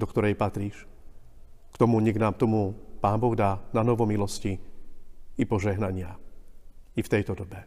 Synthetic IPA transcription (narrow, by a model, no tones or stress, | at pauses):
d̪ɔkt̪ɔɾɛjpat̪ɾiːʃ | kt̪ɔmuɲɛɡnaːmt̪ɔmupaːmbɔɣd̪aːnanɔʋɔmilɔsci | ipɔʒɛɦnaɲɪa | ift̪ɛjt̪ɔd̪ɔbɛ